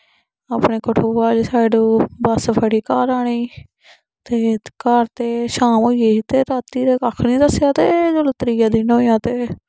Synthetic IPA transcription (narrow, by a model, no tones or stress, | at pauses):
aːpɳeːkəʈʰoːaːd͡ʒsaːɪɖuːbəspʰəɽiːkaːɾaːɳ̃iː | t̪eːkaːɾt̪eːʃaːmoːeːt̪eːɾaːt̪iːɾeːkakʰnĩːd̪əsjaːt̪eːd͡ʒʊlt̪ɾiːaːd̪ɪnɦoːjaːt̪eː